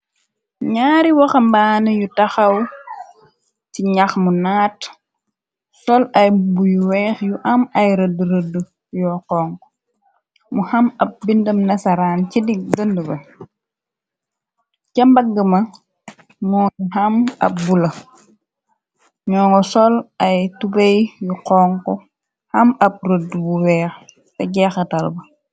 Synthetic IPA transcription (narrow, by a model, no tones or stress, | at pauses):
ɲaːɾiwɐxɐmbaːnɐjutɐxɐw | tiɲaxmunaːt | sɔlɐjbujuwɛːxjuʔɐmɐjɾəduɾədu | jɔːqɔːŋ | muhɐmɐp̚bindəmnɐsɐɾaːncidiɡəndəbɐ | cɐmbɐɡːəmɐ | mɔːnɦɐmɐ̰p̚bulɐ | ɲɔːŋɡɔsɔlɐjtubejjuqɔːŋkɔ | hɐmɐp̚rədubuwɛːx | sɐɟɛxɐtɐlbɐ